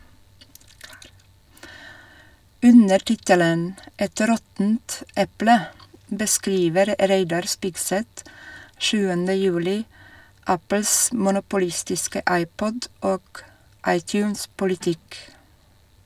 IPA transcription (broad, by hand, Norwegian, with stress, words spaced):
ˈʉnəɾ ˈtɪtələn ˈɛt ˈɾɔtnt ˈɛplə bəˈskɾiːʋəɾ ˈɾeɪdɑɾ ˈspɪɡsɛt ˈʃʉːəndə ˈjʉːlɪ ˈæpl̩s mʊnʊpʊˈlɪstɪskə ˈɑɪˌpɔd ˈoːɡ ˈɑɪˌtjʉːns pʊlɪˈtɪk